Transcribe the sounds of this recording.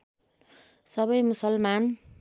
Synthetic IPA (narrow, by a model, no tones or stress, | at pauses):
sʌβʌjmusʌlman